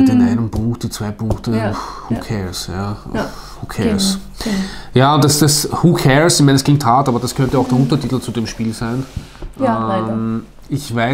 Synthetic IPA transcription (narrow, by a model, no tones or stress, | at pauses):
d̥enʔaɪnənb̥uːxd̥ent͡sv̥aɪpʊŋktəhuːkʰɛɹsja̰ː | huːkʰɛs | jaːʊd̥asd̥ashuːkʰɛɹsɪçmæɪnskl̥ɪŋkthaːtaːbɐd̥askʰœntəaʊxd̥eɐʊntɐtʰiːt̪l̩t͡sudemʃpiːlzæɪn | ʔəm | ɪçvaɪ